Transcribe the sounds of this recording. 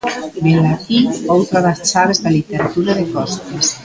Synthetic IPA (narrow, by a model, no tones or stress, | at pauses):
belːat̪iowt̪ɾaðast͡ʃaβezðalit̪eɾat̪uɾaðekɔst̪es